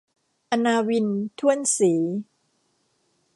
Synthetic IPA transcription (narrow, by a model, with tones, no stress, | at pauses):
ʔa˧naː˧wi˧nt̪ʰu˥˩ənsiː˩˦